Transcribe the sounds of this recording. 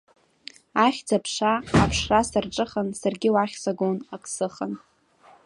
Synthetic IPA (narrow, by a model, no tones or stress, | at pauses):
aχʲd͡zapʰʂaːpʰʂrasarʈ͡ʂʼɨχənsarɡʲɪwaχʲsaɡonakʼsɨχən